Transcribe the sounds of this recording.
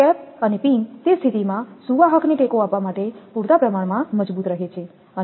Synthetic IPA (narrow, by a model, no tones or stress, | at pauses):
ɛpənepint̪est̪ʰit̪imãsuʋaɦəkneʈekoapʋamaʈepuɾt̪apɾəmaɽmãməd͡ʒbut̪ɾəɦet͡ʃʰe | ə